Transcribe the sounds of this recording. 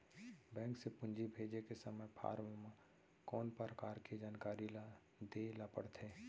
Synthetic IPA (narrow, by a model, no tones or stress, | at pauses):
bɛ̃ːŋksepʊ̃nd͡ʒibʱeːd͡ʒekesəməjpʰa̰ːɾʋma | kɔːnpəɾəkaːɾked͡ʒaːnkaːɾila | d̪elapə̰ɽt̪ʰeː